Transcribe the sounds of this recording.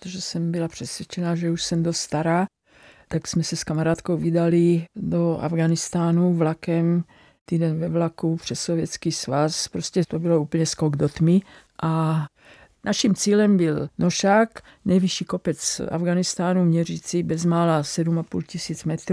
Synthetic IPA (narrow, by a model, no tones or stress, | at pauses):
t̪oʒɛsɛmbilapr̝̥ɛsʋʲjɛt͡ʃɛnaːʒɛuʃsɛmd̪ost̪st̪aɾaː | t̪aksmɛsɛskamaɾaːt̪kowvid̪alid̪oa̰vɡanist̪aːnuvlakɛm | t̪iːd̪ɛnvɛvlakupr̝̥ɛsːovjɛt͡skiːsvaspɾoscɛt̪obilouːpl̩ɲɛskoɡd̪ot̪mi | ʔa | nʔaʃimt͡siːlɛmbilnoʃaːk | nɛjviʃiːkopɛt͡sa̰vɡanist̪aːnumɲɛriːt͡sibɛzmaːlasɛdumapṵːlcisiːd͡zmɛt̪ɾ